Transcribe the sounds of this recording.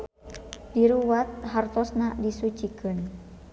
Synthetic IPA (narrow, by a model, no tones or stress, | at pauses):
diɾuwat̪̚ɦart̪ɔsnaʔdisut͡ʃikɨn